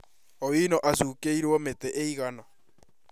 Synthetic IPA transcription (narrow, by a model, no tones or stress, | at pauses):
owinɔʔasukeiɾwɔmetɛʔeiɣanɔ